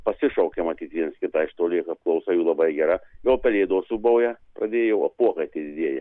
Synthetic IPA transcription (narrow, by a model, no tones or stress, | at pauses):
pɐsʲɪʃɐʊkʲemɐt̪ʲiːt̪ʲʋʲiɛnskʲɪt̪ɐɪʃt̪oːlʲɪkɐp̚klˠɐʊsɐjuːlˠɐbɐɪɡʲɛɾɐjʲolˠpʲɛlʲeːd̪oːsubɐʊjɛprɐd̪ʲeːjoʊɐpuɔkɐɪt̪ʲid̪ʲɪd̪ʲeɛjɛ̰